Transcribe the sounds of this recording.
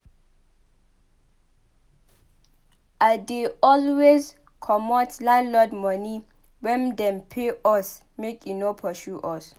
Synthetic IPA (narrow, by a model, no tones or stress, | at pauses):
adeɔlwez | kʰɔmɔtlalɔdmɔ̃ni | wɛ̃ndɛ̃mpʰeɔs | mekʰinopʰɔʃuʔɔs